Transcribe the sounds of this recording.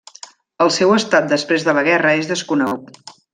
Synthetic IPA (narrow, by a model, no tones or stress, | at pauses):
əlˠsɛwəst̪at̪̚d̪əspɾezðələɣɛrəezðəskunəɣut̪